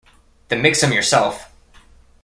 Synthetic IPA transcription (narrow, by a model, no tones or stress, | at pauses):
ðɨmɪksɨ̃mjə˞sɛlˠf